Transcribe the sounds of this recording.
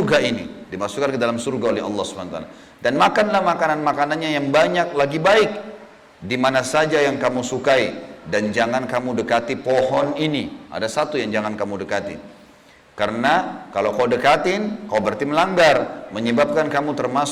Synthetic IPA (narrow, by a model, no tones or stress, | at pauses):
ɡainḭdimasukːankədalamsurɡaolɛɦɑ̰lːɑhsubanat̪a̰la | danmakanlahmakananmakananɲajaŋbaɲak̚laɡibaɪk̚ | dimanasad͡ʒajaŋkamusukaidand͡ʒaŋankamudəkat̪ipɔɦɔniniʔa̰dasat̪ujaŋd͡ʒaŋankamudəkat̪ḭ | karənakalawkaudəkat̪ɪnkawbərt̪iməlaŋɡarməɲəbap̚kankamut̪ərmas